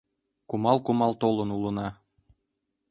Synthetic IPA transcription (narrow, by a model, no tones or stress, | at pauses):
kumɑlˠkumɑlˠt̪olˠɤ̆nulˠɤ̆nɑ